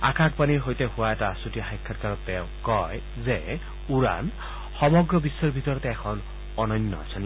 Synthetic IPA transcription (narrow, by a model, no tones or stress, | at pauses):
akʰak̚paniɹɦojt̪eɦʊwaɛtasutijaxajkʰːatkaɹɔt̪ːɛʊ̃kɔj | ze | uɹa̰n | xɔmɔɡɹɔbisːɔɹbʱit̪ɔɹɔt̪ɛːkʰɔn | ɔnɔnːɔa̰sʰɔn